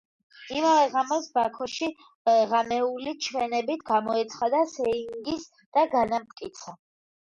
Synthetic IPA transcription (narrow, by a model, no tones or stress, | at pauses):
imavɛʁamɔsbakʰɔʃi | ʁamɛulit͡ʃʰwɛnɛbit̪ʰɡamɔɛt̪sʰχad̪asɛiiŋɡis | d̪̥aɡanamt̪̚kʼit̪sʰa